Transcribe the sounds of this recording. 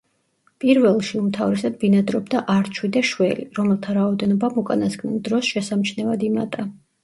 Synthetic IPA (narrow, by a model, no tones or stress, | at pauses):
pʼiɾvɛlˠʃiumt̪ʰavɾɛsad̪̚binad̪ɾɔbd̪aʔaɾt͡ʃʰwid̪aʃwɛliɾɔmɛlˠt̪ʰaɾaɔd̪ɛnɔbamukʼanasɡʰʼnilˠd̪ɾɔsʃɛsamt͡ʃʰnɛvad̪imat̪ʼa